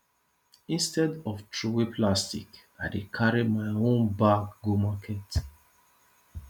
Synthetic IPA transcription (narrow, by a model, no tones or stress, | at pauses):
ĩnstɛdɔftʰɹuwepʰlastḭk | aɪdekʰaɹimaɪõnbakɡumakʰɛt